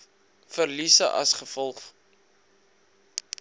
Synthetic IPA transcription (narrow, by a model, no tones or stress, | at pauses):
fərlisəʔɐ̰sχəfɔlˠχ